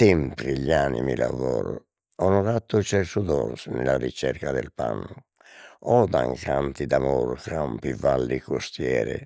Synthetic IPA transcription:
t̪ɛmpɾiʎanimilavɔːɾu | ɔnɔɾat̪ːut͡ʃɛɾsud̪ɔɾsnɛlarit͡ʃɛɾkad̪ɛlpanːu | ɔd̪aŋkant̪id̪amoɾkampivalːikost̪jɛːɾɛ

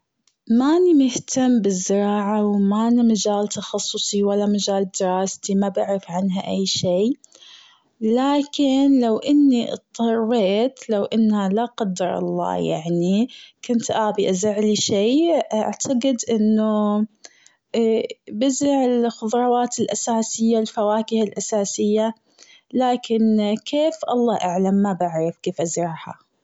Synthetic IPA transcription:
manimɪht̪amːbɪzːɪɾɑːʕawmanmad͡ʒaːlt̪ɑxɑsˤːʊsˤiwalːamad͡ʒaːld̪ɪɾˤɑːst̪imabɪʕɾafʕanɦaʔajːʃeː | laːkɪnlawʔɪnːiʔt̪ˤːɑrˤːeːt̪lawʔɪnːhalaqad̪ːɑɾˤɑ̰lˤːɑ̰ːja̰ʕnikʊnt̪ʔaːbiʔazaʕliʃeːʔa̰ʕt̪ʰaqɪd̪ʔɪnːʊ | bɪzɪʕɪlxʊðˤɾˤɑwaːt̪ɪlʔasaːsɪjːalfawaːkɪhalʔasaːsɪjːa | laːkɪnkʰeːfʔɑlˤːɑːʔaʕlamːabaʕɾɑfkeːfʔazɾɑʕha̰

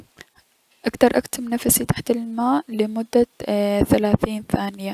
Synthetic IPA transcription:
ʔakt̪ɑɾˤʔakt̪ɪmnafsit̪aħt̪almaːʔlɪmʊd̪ːaθalaːθiːnθaːnɪja

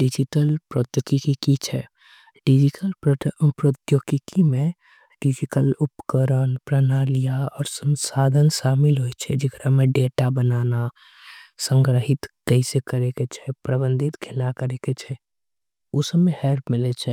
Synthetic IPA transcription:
ɖid͡ʒiʈəlpɾot̪jokikikit͡ʃʰɛ | ɖid͡ʒiʈəlpɾot̪jokikimẽ | ɖid͡ʒiʈəlupə̥kəɾənpɾənaːlijaɔːɾsə̃nsad̪ʱənʃamɪlɦojt͡ʃʰɛd͡ʒekɾameɖeʈabənaːna | sə̃ŋɡɾəɦɪt̪kəisekəɾeket͡ʃʰɛpɾəbənd̪ʱit̪kʰelnakəɾeket͡ʃʰɛ | osəmehɛɾpmɪlɛt͡ʃʰɛ

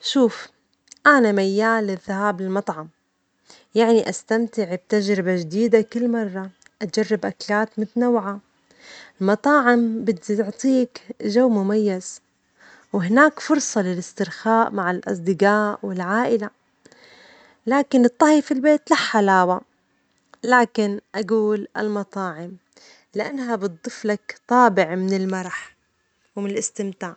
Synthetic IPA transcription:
ʃuːf | ʔanamajːaːlɪðːahaːbɪlmɑt̪ˤʕɑm | jaʕniʔast̪amt̪ɪʕb̚t̪aʒɾɪbaʒd̪iːd̪akɪlːmɑrˤːɑ | ʔad͡ʒarːɪbʔaklaːt̪mʊt̪nawʕa | ɪlmɑt̪ˤɑːʕɪmbɪt̪ʕt̪ˤiːkʒawːmʊmajːaz̥ | wɪɦɪnaːkfʊɾˤsˤɑlɪlɪst̪ɪɾxaːʔmaʕɪlʔɑ̰sˤd̪ɪɡaːʔwɪlʕaːʔɪla | laːkɪnɨt̪ˤːɑhjfilbeːt̪laħːalaːwa | laːkɪnʔaɡuːla̰lmɑt̪ˤɑːʕɪm | lɪʔanːhabɨt̪̚d̪ˤɨflakt̪ˤɑːbɪʕmɪnɪlmɑɾˤɑħ | wmɪnɪlɪst̪ɪmt̪aːʕ

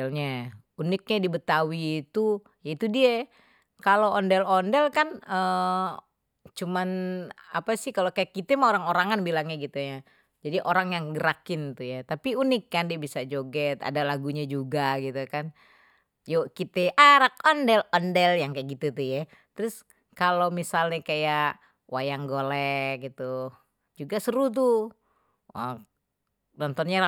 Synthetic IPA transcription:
ɛlɲa | unɪk̚ɲadibət̪awiːt̪u | jait̪udiɛ | kaloʔɔndɛlondɛlkanə | t͡ʃumana̰pasɪhkalokajakːit̪ɛmaoɾaŋoɾaŋanbilaŋɲaɡit̪uja | d͡ʒadiʔoɾaŋjaŋɡəɾakɪnt̪ujat̪apiunɪkːandiɛbisad͡ʒoɡɛt̪a̰dalaɡuɲad͡ʒuɡaɡit̪ukan | jokit̪ɛʔaɾak̚ɔndɛlɔndɛljaŋkajaʔɡit̪ut̪uja | t̪əɾʊs | kalomisalɲakajaʔ | wʔajaŋɡolɛɡit̪u | d͡ʒuɡasəɾut̪̬u | nɔnt̪ɔnɲa

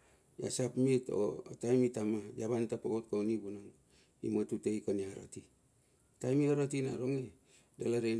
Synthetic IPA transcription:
ja̰sapmito̰atajmitamajaβantapaɡot̚kawnibunaŋ | ḭmatutejkaniaɾa̰ti | tajmihaɾatina̰ɾoŋi | dalaɾe

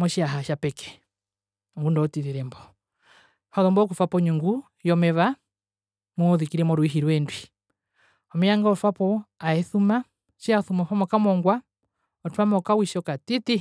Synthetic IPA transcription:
mɔʃiaɦaʃapɛkɛ̥ | ɔŋɡundɔːtiðiɾɛmbɔ | haðɔmbɔk̬ufapɔɲuŋɡu | jɔmɛβa | muɔðikiɾɛmɔɾwiɦiɾwɛndwi | ɔmɛjaŋɡaɔfapɔaɛθuma | ʃiaθumafamɔkamɔŋɡwa | ɔtwamɔkawiʃɔkatiti

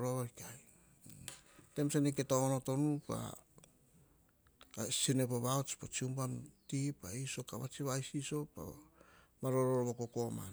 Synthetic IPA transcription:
ɾoβaɾikaj | temsaniketoŋonoto̞nupa̰ | sinepoβaot͡ʃi̥pot͡ʃiumpamtipaiso̞kaβa̰t͡ʃiβajsiso̞pa̰ | maɾoɾoɾoβokokoma̰n

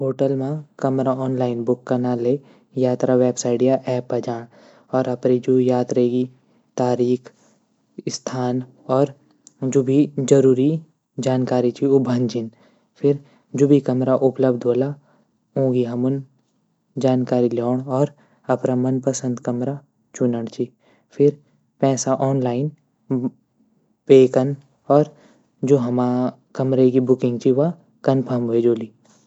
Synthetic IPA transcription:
ɦoːʈəlmãkɐmɾaɔːnlaːɪnbʊkːɐnaːle | jaːt̪ɾaʋeːbsaːɪɖijaʔɛːpːɐd͡ʒaːɽ̃ | ɔːɾɐpɾid͡ʒujaːt̪ɾeɡi | t̪aːɾiːkʰ | st̪ʰaːn | ɔːɾ | d͡ʒʊbʱid͡ʒɐɾuːɾi | d͡ʒaːnkaːɾit͡ʃʰiʊbʱəɲd͡ʒɪn | pʰɪɾ | d͡ʒʊbikɐmɾaʔʊpləbd̪ʱoːla | õːɡiɦɐmʊn | d͡ʒaːnkaːɾilɔːɳɔːɾ | ɐpɾamɐnpəsə̃nd̪kɐmɾa | t͡ʃʊnəɽt͡ʃʰi | pʰɪɾ | pɛːsaʔɔːnlaːɪn | peːkən | ɔːɾ | d͡ʒoːɦɐma | kɐmɾekibʊkɪ̃ŋɡt͡ʃʰiʋa | kɐnpʰəmbʱoed͡ʒoːli

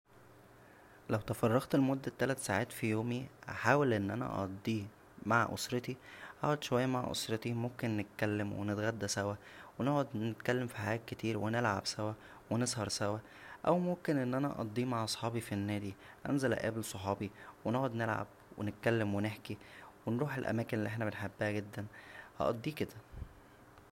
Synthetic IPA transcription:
læwt̪ɑfɑrˤːɑɣt̪elmod̪ːæt̪ːælæt̪saːʕaːt̪fijoːmia̰ħaːwælʔenːʔænæ̰ʔɑ̰d̪ˤːiː | maʕʔo̰sɾet̪iħa̰ːʕod̪ʃowæjːæmaʕʔo̰sɾet̪imomkenːet̪̚kælːemwḛnet̪ɣæd̪ːæsæwæwenoʕod̪net̪kælːemfi̥ħajæːt̪̚ket̪iːɾwenelʕa̰bsæwæ | wenesˤhɑɾˤsæwæ | ʔæwmomkenʔenːʔænæʔɑ̰ʔɑd̪ˤːiːmaʕʔɑsˤħɑːbifinːæːd̪iʔænzælæ̰ʔæ̰ːblsˤoħɑːbiweneʕod̪nelʕa̰b̚ | wḛnet̪̚kælːemweneħkiwenɾuːħelʔæ̰mæːkenlːʔeħnæbenħabːæhæɡed̪ːænhɑ̰ʔɑ̰d̪ˤːiːked̪æ

